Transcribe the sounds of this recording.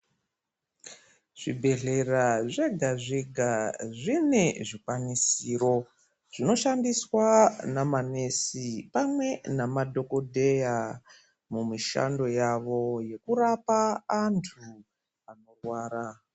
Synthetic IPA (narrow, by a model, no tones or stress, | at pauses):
ʐ̥ibʱe̞ɮe̞raʐeɡʱaʐiɡʱaʐine̞ʐikwanisiːro̞ | ʐ̥ino̞ʃandiswanamane̞sipamwe̞namadʱo̞ko̞dʱe̞ja | mumiʃa̰ndo̞jaʋo̞je̞kuɾapaːntʰu | ano̞rwaːɾa